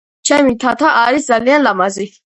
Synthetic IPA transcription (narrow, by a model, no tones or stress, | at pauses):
t͡ʃʰɛmit̪ʰat̪ʰaʔaɾisd̪zalianlamazi